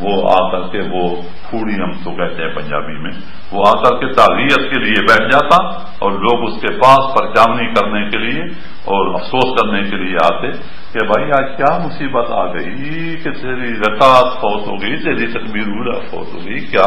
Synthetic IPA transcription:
ʋoa̰ːkɐɾkeʋo | kʰuːɽiɦɐmt̪okɛɦt̪eɦɛ̃pɐ̃ɲd͡ʒa̰ːbimẽ | ʋoaːkɐɾket̪aːɣiːət̪keliebɛːʈʰd͡ʒaːt̪a | ɔːɾloːɡʊskepaːspɐɾt͡ʃaːmnikɐɾnekelie | ɔːɾɐ̰fsoːskɐɾnekelieaːt̪e | kebʱaːiaːkjaːmʊsiːbət̪a̰ːɡɐi | ket̪eːɾiɾɐkaːt̪hoːt̪ɦoːɡɐit̪eːɾit̪ɐkbiːɾuːla̰fo̰ːt̪ɦo̰ːɡɐikjaː

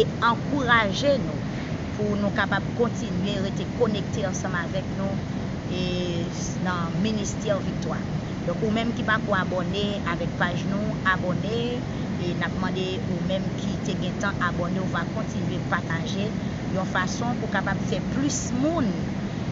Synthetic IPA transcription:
eɑ̃kuʁaʒenũ | punũkapab̚kɔ̃tinɥeʁetekonek̚teɑ̃sɑ̃mavɛknũ | e | nɐ̃ministɛʁvik̚t̪waʁ | dɔ̃kumɛ̃mkipakoabɔne | avɛk̚paʒnũabɔne | enap̚mɑ̃de | umɛ̃mkʰiteɡɛ̃tɑ̃ʔabɔneuvakɔ̃tinɥepaʁtaʒe | jɔ̃fasɔ̃pukapabfɛplysmũn

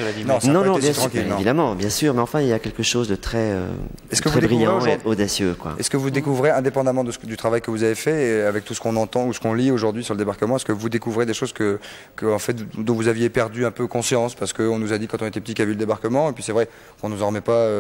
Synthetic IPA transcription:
nɔ̃snɔ̃ɔ̃ɛjɛ̃st̪kilnɔ̃vid̪amɑ̃bjɛ̃syːʁmɛɑ̃fɛ̃iljakʲɛlkəʃozd̪ət̪χɛø̰ | ɛskəvɛebʁij̃ʁẽod̪asjø̰kwa̰ɛskəvud̪ekuvʁeɛ̃d̪epɑ̃d̪amɑ̃d̪əsəd̪yt̪χavajkəvuzavefɛavɛk̚t̪usə̥kɔ̃nɑ̃t̪ɑ̃usə̥kɔ̃lioʒuʁd̪ɥisyʁləd̪ebaʁkəmɑ̃ɛskəvud̪ekuvʁed̪eʃozkə | kəɑ̃fɛt̪d̪ɔ̃vuzavjepɛʁd̪yɛ̃pøkɔ̃sjɑ̃spaʁsə̥kəɔ̃nuzad̪ikɑ̃t̪ɔ̃net̪ɛpət̪ikavyləd̪ebaʁkəmɑ̃epɥisɛvʁɛ | kɔ̃nuzɑ̃ʁmɛpaø

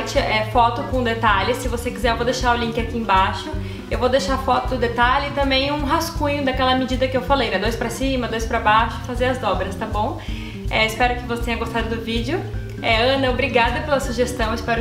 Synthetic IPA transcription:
t͡ʃɪʔɛfɔt̪ʊkõd̪et̪alɪssɪvosekizɛɾvowd̪eʃaɾʊlĩŋkɪakiẽbaʃʊ | ewvowd̪eʃaɾfɔt̪ʊd̪ʊd̪et̪alɪɪt̪ɐ̃mbẽj̃ũɦaskũɲʊd̪ɐkɛlɐmɪd͡ʒid̪ɐkɪewfalejd̪ɛd̪ojspɾɐsĩmɐd̪ojspɾɐbaʃʊfazeɾɐzd̪ɔbɾɐst̪ɐ̃bõw̃ | ɛɪspɛɾʊkɪvose̥t̪ẽɲɐɡost̪ad̪ʊd̪ʊvid͡ʒɪʊ | ɛɐ̃nɐobɾiɡad̪ɐpelɐsuʒest̪ɐ̃w̃ɪspɛɾʊ

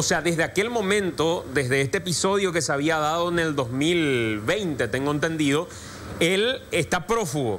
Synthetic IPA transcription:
oseaðe̞zðeake̞lmõ̞mẽ̞nt̪o̞ðe̞zðe̞est̪eeːpiso̞ðjo̞ke̞seaβiaðaðo̞ene̞ld̪o̞zmilβe̞jnt̪e̞t̪eŋɡoent̪e̞nd̪iðo̞ | e̞lest̪apɾo̞fuɣo̰

